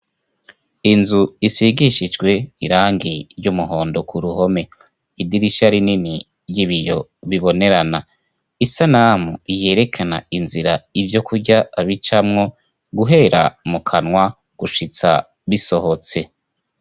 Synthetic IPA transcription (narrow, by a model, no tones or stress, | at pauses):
inzuisiɡiʃid͡ʒɡwe̞iɾaːŋɡiɾɟumuɦo̞ːndo̞kʰuɾuho̞me̞ | idiɾiʃaɾinini | ɾɟiβijo̞βiβo̞ne̞ɾana | isanamuije̞ːɾe̞kʰana̰inziɾaivjo̞kʰuɾɟaaβit͡ʃamŋo̞ | ɡuɦe̞ɾamukʰanŋwa | ɡ̥uʃit͡sa̰ | βiso̞ho̞t͡se̞